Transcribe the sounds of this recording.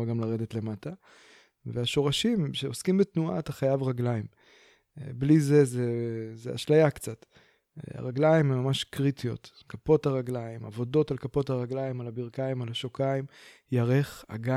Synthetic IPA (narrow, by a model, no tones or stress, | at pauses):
aɡamlaʁe̞detle̞mata | veaʃo̞ʁaʃimʃe̞oskimbetnua̰ːt̪aχajavʁaɡlaim | blizezezea̰ʃlajakt͡sat | a̰ʁaɡlajimemːamaʃkʁitijo̞̰t | kapo̞taʁaɡlajima̰vo̞do̞talkapo̞thaʁaɡlajimalabiʁkaimalaʃokaim | jaʁe̞χa̰ɡa